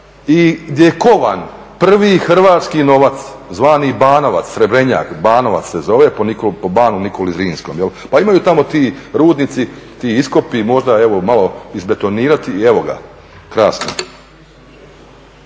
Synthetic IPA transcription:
iɡd̪jejekoʋan | pr̩ʋixr̩ʋaːt̪skino̞ʋat̪szʋaːnibaːnoʋa̰t̪ssɾebɾe̞ɲa̰ːkbaːnoʋa̰t̪ssezo̞ʋeponikopobaːnunikolizɾiːnsko̞ːmjelpaimajuːt̪amo̞t̪iːɾuːd̪nit̪sit̪iːisko̞pimo̞ʒd̪aeʋo̞maloizbe̞t̪o̞niːɾat̪ieʋo̞ɡa̰ | kɾaːsno̰

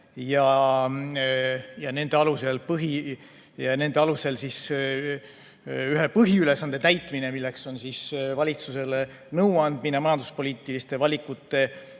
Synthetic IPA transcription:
jɑ | jɑne̞nd̪̥e̞ɑluse̞lpɤɦi | jɑne̞nd̪e̞ɑluse̞lsis | yɦepɤɦiylesɑnd̪̥e̞t̪æjt̪ˑmine̞milːe̞kso̞nsisvɑlʲit̪suse̞l | nɤwɑnd̪̥minemɑjɑnd̪uspo̞liːt̪ːˑilist̪evɑlʲikːˑut̪ːˑe̞

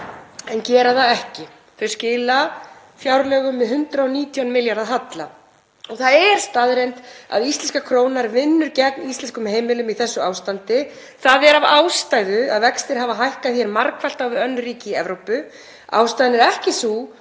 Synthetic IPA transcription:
ɛncɛːɾaθaɛhcɪ | fɛɾ̥scɪːla | fjawɾlœːɣʏmːɛðɦʏnt̪ɾaɔniːt̪ʰianmɪljaɾðaɦat̪la | ɔɣθaðɛɾ̥st̪aːðɾejnt̪a̰ðist̪ɛnskakʰɾoːwnaɾvɪnːʏɾcɛknist̪ɛnskʏmheːjmɪlʏmiθɛsːʏaːwst̪ant̪ɪ | θaðɛɾavaːwst̪aːjðʏaðvɛkst̪ɪɾ̥ɦaːvaɦajhkaðθjɛɾmaɾkval̥t̪awvɪðœnːriːcɪɛvɾowpʏ | a̰ːwst̪ajðnɛɾɛhcɪsu

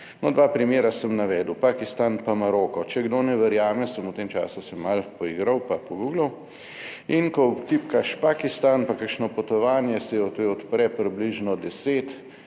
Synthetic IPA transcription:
nɔd̪ʋaːpɾimjeːɾasəmnaʋɛːd̪uwpakist̪anpamaɾɔːkɔt͡ʃɛɡd̪onɛʋɛɾjaːmɛsəmut̪eːmt͡ʃa̰ːsusɛmalpɔiːɡɾɐwpapɔɡuːɡlɐw | inkɔt̪ipkaʃpakist̪anpakakʃnɔpɔt̪ɔʋaːnjɛsɛjɛɔt̪oɔt̪pɾɛpɾibliʒnɔd̪ɛseːt̪

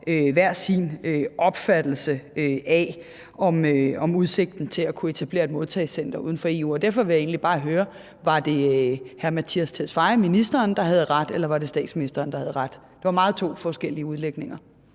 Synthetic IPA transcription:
øʋæɐ̰sinøʔɒ̽b̥fæd̥l̩səøʔæ | ɒ̽møɒ̽muð̞ˠse̝ɡ̥̚d̥n̩t͡sʰe̝lækʰue̝t͡sʰæb̥le̝̰ːɐed̥mo̝ð̞ˠt͡sʰɛ̰ɪsen̰d̥ɐṵðˠn̩fɒ̽e̝̰ːuɒd̥æɐfɒ̽ʋe̝jɑe̝̰ːnlib̥ɑ̈ːɦøːɐ | ʋɑ̈d̥e̝hæɐmæt͡sʰiæst͡sʰesfɑ̈ɪɐminisd̥ɐːnd̥ɑ̈ɦæð̞̩ˠʁad̥elɐʋɑ̈ɾ̥e̝sd̥ɛ̰ːd̥sminisd̥ɐːnd̥ɑ̈hæð̞̩ˠʁɑd̥ | d̥e̝ʋɑ̈mɑ̈ːð̩ˠt͡sʰo̝̰ːfɒsɡ̥el̰iəuð̞ˠleɡ̥ne̝ŋɐ

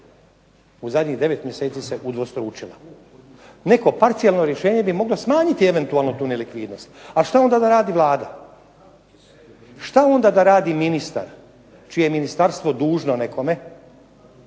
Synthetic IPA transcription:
uzad̪ʲɲiɣd̪e̞ʋe̞t̪mje̞se̞ːt̪sise̞ʔud̪ʋo̞st̪ɾuːt͡ʃila | ne̞ko̞paɾt̪sijalno̞ɾje̞ʃe̞ːɲe̞bimo̞ɡlo̞smaːɲit̪ie̞ʋe̞nt̪uaːlˠnot̪uːne̞likʋiːd̪no̞st̪alʃt̪ao̞nd̪ad̪aɾaːd̪iʋlˠaːd̪a | ʃt̪ao̞nd̪ad̪aɾaːd̪iminist̪a̰ɾ | t͡ʃijejeminist̪aɾst̪ʋo̞d̪uːʒnone̞kʰo̞me̞

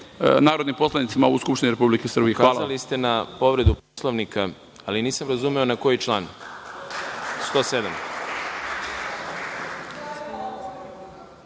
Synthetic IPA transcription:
naːɾo̞d̪nimpo̞slˠanit̪simauskupʃt̪iniɾepublikesr̩bijekaaːlalist̪e̞napo̞ʋɾe̞d̪uposlˠaʋnika | aliniːsamɾazumeo̞nako̞jit͡ʃlˠaːn | st̪o̞ːse̞d̪am

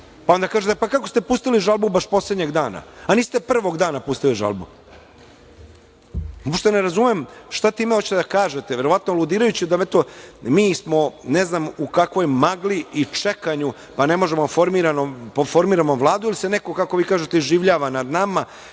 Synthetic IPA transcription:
paond̪akaːʒet̪epakakost̪e̞puːst̪iliʒalˠbubaʃpo̞sled̪ɲeɡd̪aːna̰aniːst̪e̞pr̩ʋo̞ɡd̪aːnapust̪iliʒa̰lˠbṵ | opʃt̪eneɾazumemʃt̪at̪iːmehot͡ɕi̥t̪ed̪akaːʒet̪eʋeɾo̞ʋat̪noalˠud̪iːɾajut͡ɕid̪aet̪omiːsmo̞neznamukakʋo̞jmaɡliit͡ʂekaɲu | pane̞mo̞ʒemofo̞ɾmiɾanopofoɾmiːɾamoʋlˠaːd̪uiliseneko̞kakoʋiːkaːʒet̪eiʒiʋʎaːʋanad̪nama

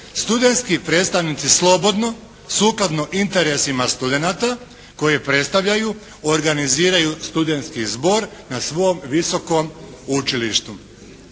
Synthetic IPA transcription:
st̪ud̪e̞nt̪skipɾe̞t̪st̪aʋniːt̪sislˠo̞bo̞d̪no̞ | suːklˠad̪no̞ʔint̪e̞ɾe̞simast̪ud̪e̞nat̪a | ko̞jepɾe̞t̪st̪aʋʎaju | oɾɡaniziːɾajust̪ud̪e̞nt̪skizbo̞ɾnasʋo̞jomʋiso̞ko̞mut͡ʃiliʃt̪u

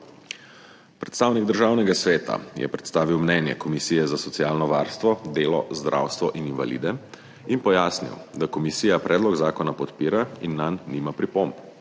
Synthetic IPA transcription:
pɾɛt̪st̪aːwniɡ̚d̪əɾʒaːwnɛɡasʋɛːt̪a̰jʔɛ̰pɾɛt̪st̪aːʋiwmnɛnjɛ̰kɔmisiːjɛzasɔt̪sijaːlnɔʋaːɾst̪ʋɔd̪eːlɔzd̪ɾʔa̰wst̪ʋɔʔininva̰lḭːd̪ɛ | inpɔjaːsnḭwd̪akɔmisiːjapɾʔɛːd̪lɔɡzaːkɔnapɔt̪piːɾainːanːimapɾipomp

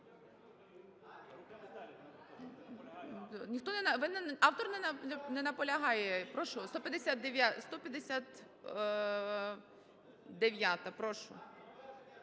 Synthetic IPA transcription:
nʲixt̪ɔnɛnɐʋɪnnɑwt̪ɔrnɛnɛnɐpɔlʲɐɦɑjɛpɾɔʃʊst̪ɔpʲjɐd̪esʲat̪̚d̪eʋʲjast̪ɔpʲjɐd̪esʲat̪ | d̪eʋʲjat̪ɐpɾɔʃʊ̰

